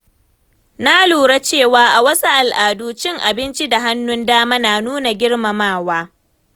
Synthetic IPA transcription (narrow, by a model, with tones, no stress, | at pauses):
na˦luː˨ɾa˦t͡ʃeː˦˨waː˦ʔa˨wɐ˦su˦ʔa˨lʔaː˨duː˦t͡ʃɪ˦ŋʔa˨bɪ˦nt͡ʃi˦da˨ɦa˦nːʊ˦ndaː˦maː˦naː˨nuː˦na˨ɡʲɪ˦ɽma˨maː˦˨waː˦